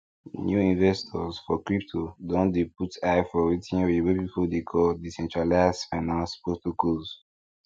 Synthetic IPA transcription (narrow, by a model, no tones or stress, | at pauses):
njuĩnvɛstʰɔzfɔkɹiptʰodɔ̃ndep̚utʰajfɔɹitʰĩnɛɹiwɛpipodekʰɔldisɛ̃nt͡ʃɹalasfãnãnspɹotokɔz